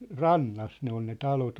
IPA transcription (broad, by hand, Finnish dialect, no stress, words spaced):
rɑnːɑs ne on ne tɑlot